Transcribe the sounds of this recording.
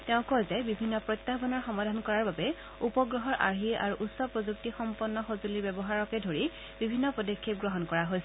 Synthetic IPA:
teʊ̃kɔjzɛbibʱinːɔpɹɔt̪ːabɔnɔɹxɔmadʱankɔɹaɹbabɛ | upɔɡɹɔɦɔɹʔa̰ɹɦia̰ɹuʔutsɔpɹɔzuk̚tixɔmpɔnːɔxozuliɹbɛbɔɦaɹɔkɛdʱoɹi | bibʱinːɔpodɔkʰːeɡɹɔɦɔnkɔɹaɦojsɛ

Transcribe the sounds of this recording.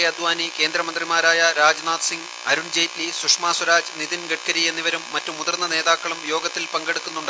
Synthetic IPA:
ɐd̪ʋaːnike̞ːnd̪ɾɐmɐnd̪rimaːɾaːjɐɾaːd͡ʑnaːt̪siŋɡ | ɐɾund͡ʑejtlisukʂmaːswɐɾaːd͡ʑniðinɡɐʈ̚kɐɾijenːiʋɐɾumːɐtːumuðɐrnːɐne̞ːðaːkːɐɭumjo̞ːɡɐt̪ːilpɐŋɡeɽukːunːuɳɖɨ

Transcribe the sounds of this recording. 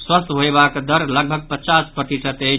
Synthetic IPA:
swəst̪ɦoebakd̪əɾləɡ̚bʱəɡ̚pət͡ʃaspɾəʈ̪isət̪e

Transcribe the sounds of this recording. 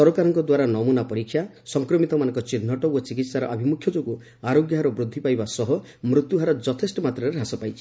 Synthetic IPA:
sɔɾɔkaɾɔŋkɔd̪waɾanɔmunapɔɾikʰːja | sɔŋkɾɔmit̪ɔmanɔ̃ŋkɔt͡ʃinːɔʈɔwɔt͡ʃikit̪saɾɔʔɔbʱimukʰjɔd͡ʒoɡu | aɾoɡjɔɦaɾɔbɾud̪ʱːipajbasɔɦɔ | mɾut̪juɦaɾɔd͡ʒɔt̪ʰesʈɔmat̪ɾɔeɾasɔpajt͡ʃʰi̥

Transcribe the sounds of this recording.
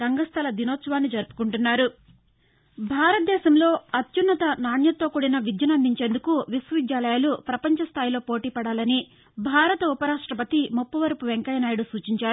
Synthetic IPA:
ɾɐŋɡɐst̪ʰɐlɐd̪inoːt̪sɐʋaːnːid͡ʒɐɾupu̥kuɳʈunːaːɾu | bʱaːɾɐt̪̚d̪ɛːʃɐmlo̞ːɐt̪junːɐt̪ɐnaːnjɐt̪ːoːkuɽinɐʋid̪jɐnɐnd̪ʱiɲt͡ʃeːnd̪ukuʋiswɐʋid̪jaːlɐjaːlupɾɐpɐɲt͡ʃɐst̪ʰaːjlo̞ːpo̞ːʈiːpɐɽaːlɐni | bʱaːɾɐt̪ɐupɐɾaːʂʈɾɐpɐt̪imupːɐʋɐɾɐpuʋeŋkɐjɐnaːjɐɽusuːt͡ʃiɲt͡ʃaːɾu

